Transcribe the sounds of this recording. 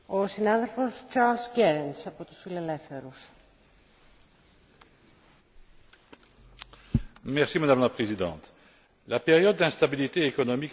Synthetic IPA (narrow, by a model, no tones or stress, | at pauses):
osinɐðe̞lfo̞st͡ʃaɾlsceɾensɐpot̪u̥sfile̞le̞fθe̞ɾus | mɛʁsimad̪amlapχezid̪ɑ̃ːt̪ | lapeʁjɔd̪̚ːɛ̃st̪abilit̪eːkɔnɔmik